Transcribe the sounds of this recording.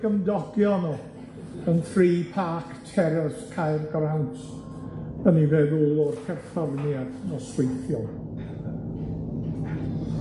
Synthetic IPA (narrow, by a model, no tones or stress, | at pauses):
ɡəmdɔɡ̥jɔnɔ | ənθriːpʰaːktʰɛɾɛskʰajrɡrantʰ | əniveːðulˠɔrpʰɛrfəvnjad̥nɔswejθjɔ